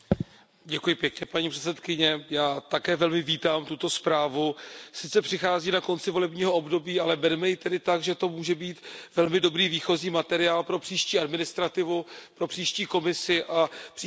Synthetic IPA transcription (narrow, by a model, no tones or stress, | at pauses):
ɟɛkujɪpjɛkɲɛpaɲiːpr̥ɛt͡sɛt̪kɪɲɛjaːt̪akɛːvɛlmɪviːt̪aːmt̪ut̪o̞spɾaːvusɪt͡sɛpr̥ɪxaːziːnako̞nt͡sɪvo̞lɛbɲiːɦo̞o̞bdo̞biːalɛbɛɾɛmɛjɪt̪ɛdɪt̪aɡʒɛt̪o̞muːʒɛbiːt̪vɛlmɪdo̞bɾiːviːxo̞ziːmat̪ɛɾɪaːlpɾo̞pr̥iːʃciːadmɪnɪst̪ɾat̪ɪvupɾo̞pr̥iːʃciːko̞mɪsɪʔap